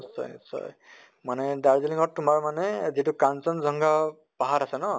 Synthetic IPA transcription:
sɔ̰jnsɔ̰j | manɛdaɹziliŋɔɹtumaɹmanɛzitukansɔnzʱɔŋɡa | paɦatasɛnɔ

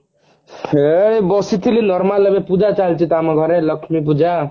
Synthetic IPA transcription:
pʰeɽebɔsit̪ʰilinɔɾmalebepud͡ʒat͡ʃalt͡ʃʰit̪amaɡʱʌɾelʌkʂmip̬ud͡ʒa

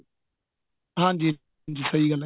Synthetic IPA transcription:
ɦãːnd͡ʑiː | nd͡ʑiːsɐɦiːɡɐl

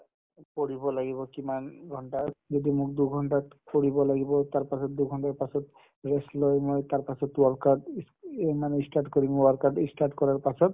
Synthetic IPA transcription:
poɽibolaɡibokimanɡʱɔɳʈad͡ʒod̪imukd̪uɡʱɔɳʈapoɽibolaɡibɔt̪aɾpasʰɔt̪̚d̪uɡʱɔɳʈaɾpasʰɔt̪ | ɾesloemɔet̪aɾpasʰɔt̪uwaɾkaɖ | maneisʈaʈkɔɾimaɾkaɖisʈaʈkɔɾaɾpasʰɔt̪

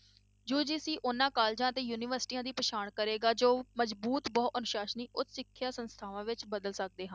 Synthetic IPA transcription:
d͡ʒoːd͡ʒiːsiːʔʊnãːkaːld͡ʒãːət̪eːjuːniːʋəɾsʈiːãːd̪iːpəʃaːɳkəɾeːɡaːd͡ʒoːməzbuːt̪bɔːənʊʃaːʃniːʔʊt̪sɪkʰːjaːsənst̪ʰaːʋãːʋɪt͡ʃbəd̪əlsək̚d̪eːɦə̃n

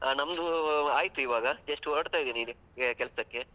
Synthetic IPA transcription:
nɐmɐd̪uaːjit̪ːuiʋaːɡɐd͡ʒeʂʈuoɾɐɽt̪aːjd̪iːni | kɛlsɐkːe̞

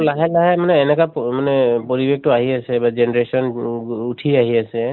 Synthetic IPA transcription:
laɦɛlaɦɛmanɛːnɛkamanɛpɔɹibek̚ʰtʊaɦiasɛbad͡ʒenɛɹesɔnutʰiaɦiasɛ

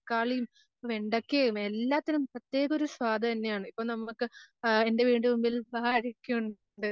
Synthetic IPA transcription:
kːaːɭijum | omeɳɖɐkːeumelːaːt̪ːɐnumprɐt̪ːje̞ːɣɐo̞ɾuswaːd̪ʱɐt̪ɐnːe̞jaːɳɨipːoːɭnɐmukːɨe̞nde̞ʋiːɳɖumumbilbɐːɾikʲːuuɳ | ɳɖɨ

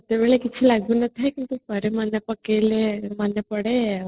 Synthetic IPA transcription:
t̪jaʋeɭekit̪ʰiːlaɡuːnət̪ʰekint̪upəɾemanːjəpəkelemanjəpəɽe

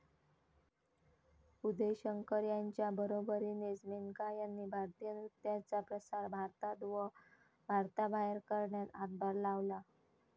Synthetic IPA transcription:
ud̪ʱeɕəŋkəɾjaɲt͡ɕjabəɾobəɾiːned͡zmeŋkajanːiːbʱaɾt̪ijənut̪jat͡sapɾəsaɾbʱaɾt̪ad̪ʋə | bʱaɾt̪abaeɾkəɾɳjat̪ad̪bʱəɾlaʋla

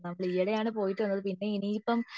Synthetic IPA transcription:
nɐmːɐɭijɐɽejaːɳɨpo̞ːjiʈːʋɐnːɐðɨpinːe̞iniːipːɐm

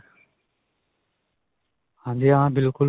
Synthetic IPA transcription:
hãːnd̪eːãːbɪlkʊl

